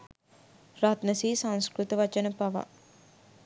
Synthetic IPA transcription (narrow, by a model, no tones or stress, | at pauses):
ɾat̪nɐsiːsɐ̃ŋskɾut̪ɐʋɐt͡ʃɐnɐpɐʋa̰